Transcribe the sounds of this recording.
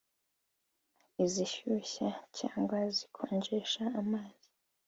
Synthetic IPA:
iziʃuɕacʰa̰ːŋɡwazikʰoːɲd͡ʒeʃaːmaːzi̥

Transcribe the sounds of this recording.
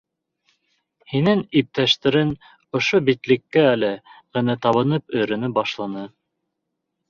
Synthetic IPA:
hinɘŋip̚t̪æʃt̪ɘ̆ɾɘn | ŏʃobit̪lɘ̆kːæælɘʁɘ̆næt̪ɑβɤ̆nɤpɵ̆jɾɘ̆nɵbɑʃlˠɑnɤ

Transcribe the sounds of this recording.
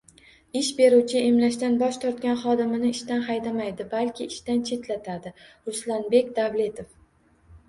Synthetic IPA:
ɪʃbe̞ɾuwt͡ʃʰɪʔemlaʃt̪anbɒʃt̪ʰɒɾt̪̚kʲanχɒd̪ɪmɪnɪɪʃt̪anχajd̪amajd̪ɪbalkʲʰɪɪʃt̪ant͡ʃʰe̞t̪lat̪ʰad̪ɪɾʊslanbe̞kʲd̪avle̞t̪ʰof

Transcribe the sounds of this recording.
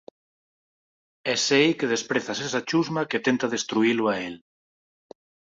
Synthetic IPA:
ɛsejkeð̞espɾeθasesat͡ʃuzmaket̪ent̪aðest̪ɾuilʊael

